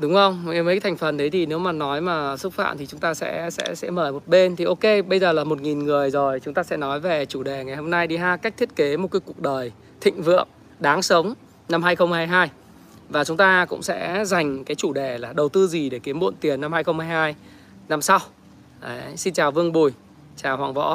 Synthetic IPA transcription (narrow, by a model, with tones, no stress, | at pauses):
ɗʊ˨˦ŋ͡mhə˧wŋ͡mvə˨˦t̪ʰa˨˩ŋ̟fə˨˩nɗə˨˦jt̪ʰi˨˩ne˨˦wmaː˨˩nɔ˨˦jmaː˨˩sʊ˦˥k͡p̚fa̰ː˧˨mt̪ʰi˨˩t͡ɕʊ˨˦ŋ͡mt̪aː˧sɛ̰˧˥sɛ̰˧˥sɛ̰˧˥məː˧˩jmo˨˩t̚ɓe˧nt̪ʰi˨˩ʔo˧ke˧ɓə˧jzəː˨˩laː˨˩mo˨˩t̚ŋi˨˩nŋɨ˨˩əjzo˨˩jt͡ɕʊ˨˦ŋ͡mt̪aː˧sɛ̰˧˥nɔ˨˦jve˨˩t͡ɕu˧˩ɗe˨˩ŋa˨˩jho˧mna˧jɗi˧ɦaː˧ka˦˥k̚t̪ʰi˦˥ət̚ke˨˦mo˨˩t̚ka˨˦jku˨˩ək̚ɗəː˨˩j | t̪ʰḭ˧˨ŋ̟vɨ̰˧˨əŋ | ɗaː˨˦ŋsə˨˦wŋ͡m | na˧mhaː˧jxə˧wŋ͡mhaː˧jɦaː˧j | vaː˨˩t͡ɕʊ˨˦ŋ͡mt̪aː˧kʊ̰˧˥ŋ͡msɛ̰˧˥za˨˩jŋ̟kaː˨˦jt͡ɕu˧˩ɗe˨˩laː˨˩ɗə˨˩wt̪ɨ˧zi˨˩ɗe˧˩ki˨˦əmɓṵ˧ə˨nt̪i˨˩ənːa˧mhaː˧jxə˧ŋ͡mmhaː˧jhaː˧j | na˧msa˧w | ʔə˨˦si˧nt͡ɕaː˨˩wvɨ˧əŋɓu˨˩j | t͡ɕaː˨˩whwa̰ː˧˩ŋvɔ̰˧˥